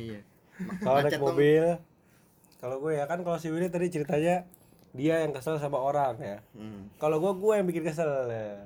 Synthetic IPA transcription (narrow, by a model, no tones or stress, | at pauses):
kalonak̚mobɪl | kaloɡuajakankalosiwilnat̪adit͡ʃəɾit̪aɲa | diajaŋkəsals̬amaoɾaŋjakaloɡuɛɡuɛjaŋbikɪnkəs̬alja